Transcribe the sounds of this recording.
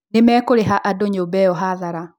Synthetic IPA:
nemɛːkoɾeɦaʔadoɲobɛjɔɦaðaɾa

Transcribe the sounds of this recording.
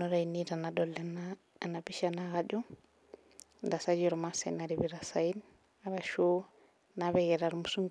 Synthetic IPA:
nɔɾanitanadɔlːɛna | anabiʃanaɣad͡ʒu | ndasad͡ʒiɾɔmasɛ̰naɾibiɾasajin | aɾaʃo | naβɛɡɛɾaɾmusuŋ

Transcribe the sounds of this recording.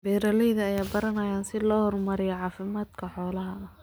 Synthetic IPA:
bɛːɾɐlɛjðɐːjaːbɐɾɐnɐjaːnsɪlɔːhɔrmɐɾɪjɐʕɑːfɪmaːd̪kʰɐħɔːlɐɦɐ

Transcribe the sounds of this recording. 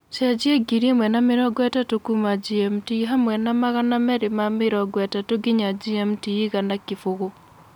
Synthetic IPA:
t͡ʃɛd͡ʒieɡiɾiemwɛnamɪɾɔɡwɛtatokumad͡ʒiɛmtiɦamwɛnamaɣanamɛɾɪmamɪɾɔɡwɛtatoɡɪɲad͡ʒiɛmtiiɣanakɪfoɣo

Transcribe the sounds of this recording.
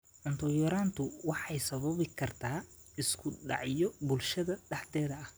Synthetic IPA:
ʔʊnt̪ʰɔjɔɾaːnt̪ʰʊwɑħɑjsɐβɐβɪkʰɐrt̪ʰaː | ɪskʰʊɖɑ̰ʕjɔbʊlʃɐðɐɖɑħt̪ɛːðɐɐh

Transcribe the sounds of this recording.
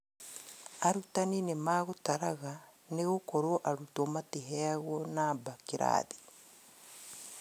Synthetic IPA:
aɾutaninemaːɣotaɾaɣaneɣokɔɾoʔaɾutomateɦɛaɣɔnabakeɾa̰ði

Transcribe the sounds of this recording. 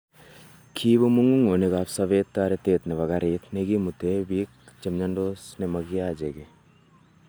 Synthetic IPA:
kʰiːbomuŋɡuŋoneɡaːpsɐʋeːt̪ːaːɾet̪eːt̪neʋɐɡaɾet̪ʰneɡimut̪ebik̚t͡ʃɐmɲɐɳɖosnemɐɡiaːd͡ʒeɡe

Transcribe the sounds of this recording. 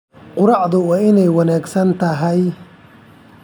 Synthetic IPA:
qʊɾɑʕðʊwɑːɪnɛjwɑnaːɡsɐnt̪ʰɐɦɛj

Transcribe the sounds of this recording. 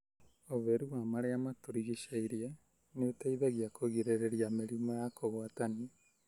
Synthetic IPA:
oβeɾuwamaɾeamatuɾiɣiʃaiɾije | neotaiðaɣiakʰoɣiɾeɾeɾjameɾimajakʰoɣwatani

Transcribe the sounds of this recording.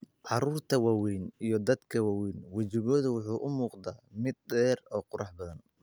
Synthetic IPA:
ʕɑɾuːrt̪ʰɐwɑːwɛjnijɞd̪ɐd̪kʰɐwɑːwɛjnwɐt͡ʃɪɣɔːðɐwʊħuːʔʊmuːqd̪aːmɪd̪̚dɛːrɔːqʊɾɑħbɐðɐn

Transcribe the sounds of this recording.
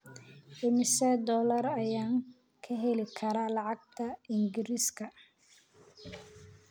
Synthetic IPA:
ʔɪmɪsɛd̪ɔːlɐrɐjaːŋ | kʰɐɦɛlɪkʰɐɾalɑʕɑɡ̚t̪ʰɐɪŋɡɪɾiskʰɐ

